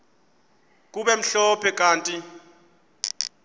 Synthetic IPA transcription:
k̬ʼuɓɛm̩ɬɔpʰɛk̬ʼaːntʼi

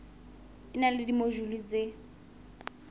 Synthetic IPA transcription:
ɪnalɪdimoʒulit͡se

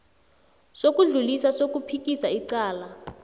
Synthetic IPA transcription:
sok̬ʼuɮulisasok̬upʰik̬ʼisaiǀaːla

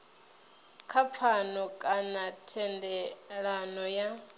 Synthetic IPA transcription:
kʰap̪fʰanɔkʼanatʰɛndɛɺanɔja

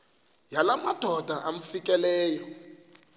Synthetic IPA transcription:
jalamad̥ʱɔd̥ʱaʔam̩fikʼɛlɛːjɔ

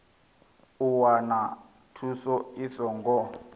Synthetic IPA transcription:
uwana | tʰusɔisɔŋɡɔ

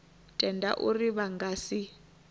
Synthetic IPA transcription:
tʼɛnda̰ʔuriβaŋɡasi

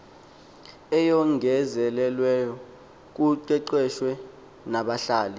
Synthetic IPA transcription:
ɛjɔŋʱɛzɛlɛlwɛjɔ | k̬uǀɛǀɛʃwɛ | naɓaɬaːli

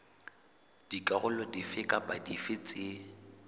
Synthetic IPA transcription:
d̥ikʼaɣʊlɔdifɪkʼapʼadifɪt͡sʼɪ

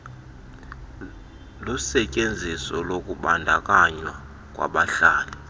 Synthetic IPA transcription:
lusɛcʼend͡zʱisɔlokʼuɓandʱakʼaɲwa | k̬ʼwa̰ɓaɬaːlɛ

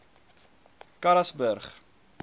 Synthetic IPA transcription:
kɐɾɐsbərχ

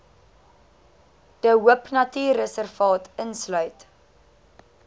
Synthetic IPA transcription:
d̥əɦuəpnɐtyːrəsərfɑːtənslœɥt

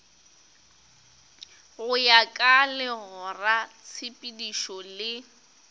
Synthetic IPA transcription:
ɣʊjakʼalɪɣʊrat͡sʰɪpʼidiʃɔlɪ

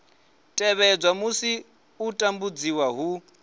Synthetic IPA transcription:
tʼɛβɛd͡zwamusi | utʼambud͡ziwaɦu

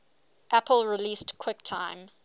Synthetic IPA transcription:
ʔæpəlˠɹiliːˑstkʰw̥ɪk̚tʰãɪ̃m

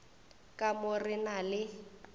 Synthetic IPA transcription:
kʼamʊrɪnalɪ

